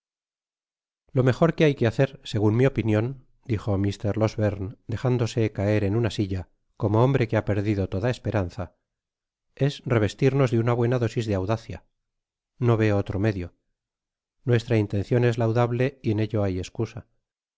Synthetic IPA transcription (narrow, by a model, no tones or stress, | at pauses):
lo̞me̞χo̞ɾke̞ajkeaθe̞ɾse̞ɣunmio̞pinjõ̞n | d̪ixo̞mist̪e̞ɾlo̞zβeɾnd̪e̞χand̪o̞se̞kae̞ɾe̞nunasiʎa | ko̞moombɾe̞keape̞ɾðiðo̞t̪o̞ðae̞spe̞ɾanθa | e̞sre̞β̞e̞st̪iɾno̞zðeunaβwe̞naðo̞sizðeawðaθja̰ | no̞βe̞ot̪ɾo̞me̞ðjo̞ | nwe̞st̪ɾaint̪e̞nθjo̞ne̞zlawðaβle̞ie̞ne̞ʎo̞aje̞skusa